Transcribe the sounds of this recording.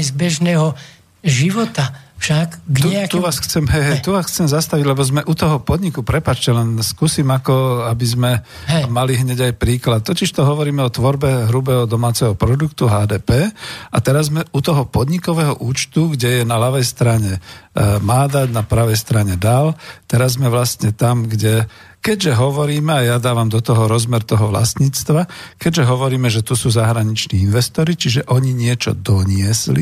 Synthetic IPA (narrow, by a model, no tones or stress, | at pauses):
zbɛʒnɛːɦɔ | ʒiʋɔt̪afʃaɡɡɲuɛt̪uʋaːsxt͡sɛmɦɛjɦɛjt̪uʋaːsxt͡sɛmzast̪aʋiɟlɛbɔzmɛʔut̪ɔɦɔpɔd̪ɲikupɾɛpat͡ʃcɛlɛnskuːsimakɔabizmɛ | maliɦɲɛɟajpɾiːklat̪̚ːɔciʃt̪ɔɦɔʋɔɾiːmɛɔt̪ʋɔɾbɛɦɾubɛːɦɔd̪ɔmaːt͡sɛɦɔpɾɔd̪ukt̪uɦaːd̪ɛːpɛːat̪ɛɾazzmɛut̪ɔɦɔpɔd̪ɲikɔʋɛːɦɔʔuːt͡ʃt̪uɡɟɛjɛnalaʋɛjst̪ɾaɲɛmaːd̪aɟnapɾaʋɛjst̪ɾaɲɛd̪alt̪ɛɾazmɛʋlast̪ɲɛt̪amɡɟɛ | kɛɟʒɛɦɔʋɔɾiːmɛajad̪aːʋamd̪ɔt̪ɔɦɔɾɔzmɛɾt̪ɔɦɔʋla̰sɲiːt͡st̪ʋakɛɟʒɛɦɔʋɔɾiːmɛʒɛt̪usuːzaɦɾaɲit͡ʃniːinʋɛst̪ɔɾit͡ʃiʒɛʔɔɲiɲɪɛt͡ʃɔ̰d̪ɔɲɪɛslḭ